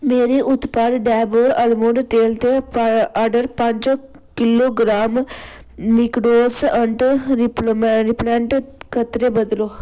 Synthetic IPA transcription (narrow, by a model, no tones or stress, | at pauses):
meːɾeːʔʊt̪paːd̪ɖɛːboːɾəlmoːɖʈ̪eːlt̪eːaːɖəɾpəɲd͡ʒ | kɪloːɡɾaːm | mɪkɖoːsəɳʈɾɾɪplɛ̃ːɳʈkʰət̪ɾeːbəd̪loː